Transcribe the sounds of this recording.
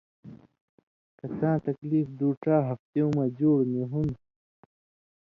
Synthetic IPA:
kɐt͡sãːt̪ɐkliːfd̪uːʈaːɦɐft̪eũmɐd͡ʑoːɽneɦun

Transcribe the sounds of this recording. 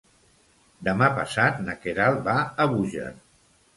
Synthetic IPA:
d̪əmapə̰sat̪nəkeɾalˠbaəβuʒə̰

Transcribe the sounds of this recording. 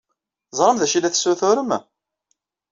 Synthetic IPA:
zˤɾˤəmðæʃilæθsuθʊɾəm

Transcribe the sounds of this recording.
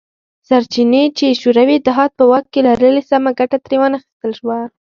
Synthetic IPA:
saɾt͡ʃinet͡ʃeʃuɾawiɪt̪ɪɦɑt̪̚pəwɑk̚ːelaɾəlesamaɡaʈat̪ɾewanaxi̥st̪əlʃwa

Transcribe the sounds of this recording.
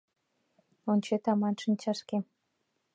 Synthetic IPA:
onʲt͡ɕet̪ɑmɑnʃə̆nt͡ɕɑʃke

